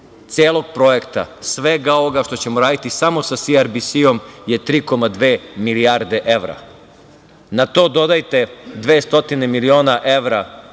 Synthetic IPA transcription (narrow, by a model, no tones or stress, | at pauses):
t̪sjeːlˠo̞ɡ̥̚pɾo̞jekt̪a̰sʋeɡaoʋoɡaʃt̪ot͡ɕe̞moɾaːd̪it̪isamo̞sasiaɾbisio̞mje̞t̪ɾiːko̞mad̪ʋeːmiliaːɾd̪e̞ʔe̞ʋɾa̰ | nat̪o̞ːd̪o̞d̪ajt̪e̞d̪ʋeːst̪o̞t̪inemilio̞ːnaʔe̞ʋɾa